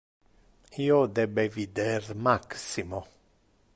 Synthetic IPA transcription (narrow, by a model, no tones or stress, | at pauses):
iːod̪ɛbevid̪ermaksimo